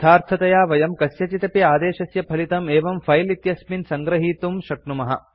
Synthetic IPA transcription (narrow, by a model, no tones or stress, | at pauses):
t̪ʰaːɾt̪ʰɐt̪ɐjaːʋɐjɐmkɐsjɐt͡ʃit̪ɐpiaːd̪eːʃɐsjɐpʰɐlit̪ɐmeːʋɐmfʰɐjlit̪jɐsminsɐŋɡɾɐɦiːt̪umʃɐknumɐɦɐ̰